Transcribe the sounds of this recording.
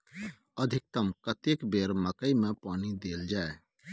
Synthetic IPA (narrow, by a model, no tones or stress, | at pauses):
əd̪ʱɪk̚t̪əmkət̪ekbeːɾməkəimẽpaːnid̪eːld͡ʒaːe